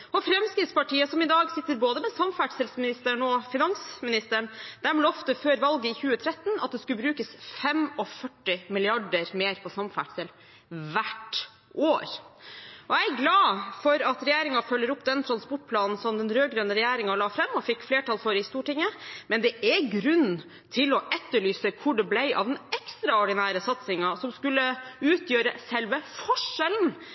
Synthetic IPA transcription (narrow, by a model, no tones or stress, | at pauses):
ɔfɾɛmskɾɪt̪spɑʈiːəsɔmɪd̪ɑːɡsɪt̪ːəɾboːd̪əmɛsɑmfæʈsɛlsmɪnɪst̪əɳɔfɪnɑŋsmɪnɪst̪əɳd̪̥æmələɔft̪əføːɾʋɑlɡəɪçʉːət̪ʰɾɛt̪ːnɑt̪̚d̪ɛskʉbɾʉːkəsfɛmɔfœʈːɪmɪlɪɑɖəɾmeːɾpʰɔsɑmfæ̰ʈsɛl | ʋæʈ | ʔoːɾ | ɔæɪæɡlɑːfɔɾɑt̪ɾɛjæːɾɪŋɑfœlːəɾʊpːd̪ɛnt̪ʰɾɑnspɔʈ̚ːpʰlɑːnn̩sɔmd̪ɛnɾøːɡɾøːnəɾɛjæːɾɪŋɑlɑːfɾɛmːɔfɪkːfleːʈʰɑːlfɔɾɪst̪uːʈɪŋːəmɛnd̪ɛʔɛɡɾʉnː | t̪ʰɪlɔʔɛt̪ːəɭyːsəkʰʊɖɛblæɪʔɑ̰ʋd̪ɛnɛkst̪ɾɑɔɖɪnæːɾəsɑt̪sɪŋɑsɔmskʉlːəʉːt̪ʰjøːɾəsɛlʋəfɔʂɛln